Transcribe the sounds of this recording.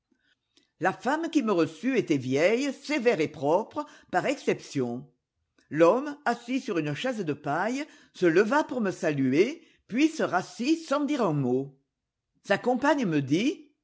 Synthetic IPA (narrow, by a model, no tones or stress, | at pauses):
lafamkʲiməʁəsyet̪ɛvjɛjsevɛʁepχɔpχəpaʁɛksɛpsjɔ̃ | lɔmasisyʁynəʃɛzd̪əpaj | sələvapuʁməsalye | pɥisəʁasisɑ̃d̪iʁɛ̃mo | sakɔ̃paɲəməd̪i